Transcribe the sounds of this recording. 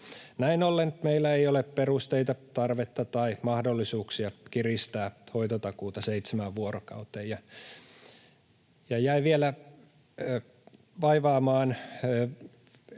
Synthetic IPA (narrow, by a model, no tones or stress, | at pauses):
næinolːent̪meilːæeiolepperust̪eit̪ɑt̪ɑrʋet̪ːɑt̪ɑimɑhdolːisuːksiɑkirist̪æːhoit̪ot̪ɑkuːt̪ɑseit̪semæʋʋuoɾokɑ̰ut̪ejjɑ | jɑjæiʋielæ | ʋɑiʋɑːmɑːn